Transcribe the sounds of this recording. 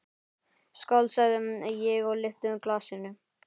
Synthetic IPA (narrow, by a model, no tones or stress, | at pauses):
skawlsaðʏmɛjɛɣɔɣlɪft̪ʏʏmklasɪnʏ